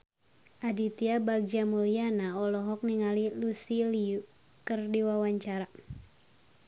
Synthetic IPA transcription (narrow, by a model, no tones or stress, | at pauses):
ʔadit̪iabaɡ̚d͡ʒamulianaɔlɔɦɔk̚niŋalilusiliu | kərdiwawaɲt͡ʃaɾa